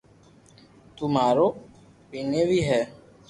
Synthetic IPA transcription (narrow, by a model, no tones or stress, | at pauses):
t̪umaɾo | benewiɦɛ